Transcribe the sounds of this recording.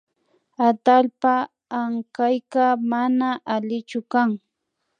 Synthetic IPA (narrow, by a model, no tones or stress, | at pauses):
at̪alpaː | ŋkajkamanaʔalɪt͡ʃʊkaŋ